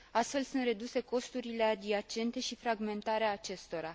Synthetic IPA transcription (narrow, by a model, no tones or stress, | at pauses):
ast̪fe̞lsunt̪re̞d̪use̞ko̞st̪uɾile̞ad̪iat͡ʃe̞nt̪e̞ʃifɾaɡme̞nt̪aɾeaːt͡ʃe̞st̪o̞ɾa